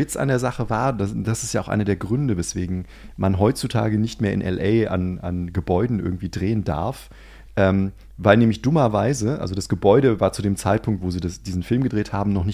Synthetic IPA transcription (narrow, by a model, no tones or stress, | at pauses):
vɪt͡sa̰ndeːɐzaχəvaːɐdad̥asɪstjaːʔʊxʔa̰ɪnɐdeːɐɡʁʏndəvɛsv̥eːɡŋ̩ | manɦɔʏt͡sutʰa̰ːɡənɪçtmeːɐɪ̰nʔɛ̰lʔɛɪa̰nanɡəbɔʏdn̩ʔɪ̰ɐɡŋ̩tv̥iːdʁeːənda̰ɐf | ʔɛːm | vaɪlnɛːmlɪçd̥ʊmɐvaɪzəʔa̰lzodasɡ̥əbɔʏɾəvaːɐt͡sudeːmt͡saɪt̚pʰʊŋktv̥oːziːdasd̥iːzn̩fɪlmɡədʁeːthaːbm̩nɔχnɪç